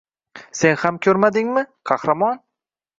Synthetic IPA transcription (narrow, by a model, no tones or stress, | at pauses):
se̞nhamkʲʰɵɾmad̪ɪŋmɪqʰɑhɾamɒn